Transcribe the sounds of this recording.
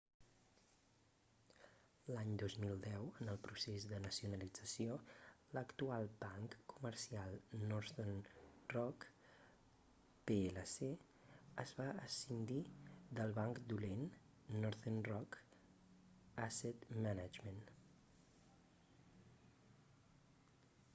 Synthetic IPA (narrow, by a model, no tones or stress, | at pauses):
laɲd̪ozmilˠd̪ɛwənəlˠpɾusezd̪ənəsiunəlid͡zəsijoləkt̪ualˠbaŋkkːuməɾsialˠnɔɾθenrɔk | peeləse | əzβaəsind̪id̪əlˠβaŋkd̪ulenː | ɔɾðenrɔk | asɛt̪manad͡ʒmən